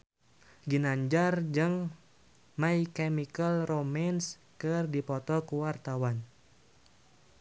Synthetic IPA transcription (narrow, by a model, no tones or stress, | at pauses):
ɡinaɲd͡ʒard͡ʒɨŋ | maikɛmikəlromans | kɨrdipɔt̪ɔkuwart̪awan